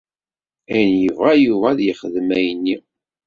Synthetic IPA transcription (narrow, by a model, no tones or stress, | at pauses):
æjnjəvæjuvæðjəχəðmæjnːi